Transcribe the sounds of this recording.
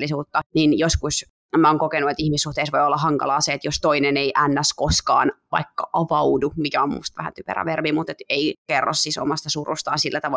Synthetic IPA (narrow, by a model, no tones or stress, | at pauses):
lːisuːt̪ːɑninjoskus | mæoːŋkokenuet̪ihmisːuht̪eisʋoiolːɑhɑŋkɑ̰lɑːseet̪jost̪oineneiʔænːæskoskɑ̰ːnʋɑ̰ikːɑʔɑʋɑudumikæommṵst̪ʋæhæ̰t̪ypḛrɑ̰ʋerbimut̪et̪eikerːo̰sːiso̰mɑst̪ɑsurṵst̪ɑ̰ːnsilːæt̪ɑʋɑ